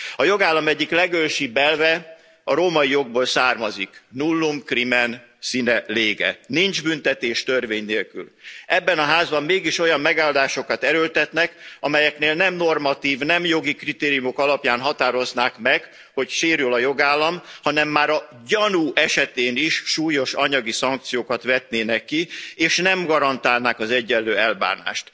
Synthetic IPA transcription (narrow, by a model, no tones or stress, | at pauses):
ɒjo̞ɡaːlːɒmɛɟːiklɛɡølʃibɛlvɛ | ɒɾoːmɒijo̞ɡ̚boːlsaːrmɒziknulːumkrimɛn | sinɛleːɡɛ̰nind͡ʒbynt̪ɛt̪eːʃt̪ørveːɲneːlky̰lɛbːɛnɒɦaːzbɒmːeːɡiʃo̞jɒmːɛɡaːld̪aːʃo̞kɒt̪ɛɾølt̪ɛt̪nɛkɒmɛjɛkneːlnɛmno̞rmɒt̪iːvnɛmjo̞ɡikrit̪eːɾijumo̞kɒlɒpjaːnɦɒt̪aːɾo̞znaːkmɛɡ | ho̞cʃeːɾylɒjo̞ɡaːlːɒmhɒnɛmːaːɾɒ | ɟɒnuːʔɛʃɛt̪eːniʃʃuːjo̞ʃɒɲɒɡisɒŋk̚t̪sijoːkɒt̪ʋɛt̪neːnɛkːieːʃnɛmɡɒɾɒnt̪aːlnaːkɒzɛɟːɛlːøːɛlba̰ːna̰ːʃt̪